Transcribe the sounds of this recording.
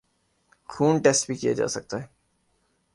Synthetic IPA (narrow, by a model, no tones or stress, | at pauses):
xuːnʈeːsʈbʱikija̰d͡ʒa̰ːsɐk̚t̪aɦɛː